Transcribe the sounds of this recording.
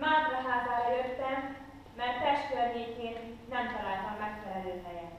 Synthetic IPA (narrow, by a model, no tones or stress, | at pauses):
maːd̪ɾɒɦaːzɒɛløːt̪ːɛmː | ɛrt̪ɛʃt̪ørneːkeːnː | ɛmt̪ɒlaːlt̪ɒmːɛkfɛlɛløːhɛjɛn